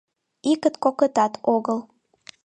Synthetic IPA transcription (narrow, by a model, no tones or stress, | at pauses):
ikət̪kokət̪ɑt̪ʰoɣəlˠ